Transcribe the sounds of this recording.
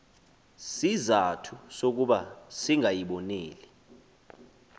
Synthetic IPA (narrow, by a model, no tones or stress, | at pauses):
sizatʰusok̬uɓasiŋʱajiɓɔneːli